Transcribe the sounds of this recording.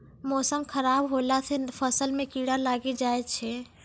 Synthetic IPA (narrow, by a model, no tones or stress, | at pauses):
mɔsəmkʰəɾaːbɦolatʰɛpʰəsəlmẽkiɽalaɡed͡ʒaet̪t͡ʃʰɛ